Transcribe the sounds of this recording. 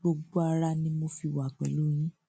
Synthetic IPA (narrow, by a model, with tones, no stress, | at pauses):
ɡ͡bo˧ɡ͡bo˦a˧ɾa˧nĩ˦mo˧fi˧wa˨k͡pɛ˨lu˨˦j̃ĩ˦